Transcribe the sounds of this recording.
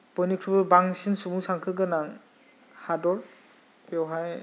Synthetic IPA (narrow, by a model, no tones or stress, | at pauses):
bɔjnikʰɾubɯbaŋsinsubuŋsaŋkʰɯɡɯnaŋ | hadɔɾ | pɔwɦaj